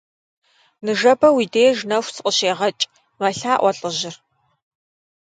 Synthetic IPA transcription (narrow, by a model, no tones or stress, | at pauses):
nɨʒɐbɐwiːdeːʒnɐxʷsʰɨqʼəɕeːʁɐt͡ʃʼ | mɐɬaːʔʷɔɬʼɨʑɪr